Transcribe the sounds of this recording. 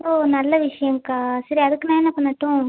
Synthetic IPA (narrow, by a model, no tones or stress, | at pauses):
oːnɐlːɐʋɪʂɐjɐŋkaːsɐɾiɐðɯkːɯnãːɛnːɐpɐɳːɐʈːʊ̃